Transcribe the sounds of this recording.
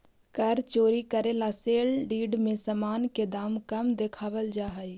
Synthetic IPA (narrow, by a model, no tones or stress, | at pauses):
kəɾt͡ʃoːɾikəɾelaseːlɖiːɖmẽsəmaːnked̪aːmkəmd̪ekʰaːʋəld͡ʒaːɦəi